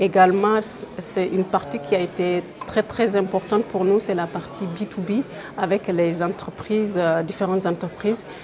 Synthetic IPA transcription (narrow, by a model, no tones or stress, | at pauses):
eɡalmɑ̃ssɛynpaʁt̪ikʰʲiaet̪e | t̪χɛt̪χɛzɛ̃mpɔʁt̪ɑ̃t̪̚puʁnusɛlapaʁt̪ʰibit̪ubi | avɛklezɑ̃t̪χəpχiːzd̪ifeʁɑ̃nt̪zɑ̃t̪χəpχiːz